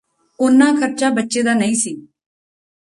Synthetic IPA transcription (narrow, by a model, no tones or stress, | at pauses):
ʊnːãːkʰəɾt͡ʃaːbətːʃeːd̪aːnəĩːsiː